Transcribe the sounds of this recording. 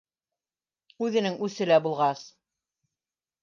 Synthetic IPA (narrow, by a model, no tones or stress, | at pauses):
ʉðɘ̆nɘŋʉsɘ̆læbulˠʁɑs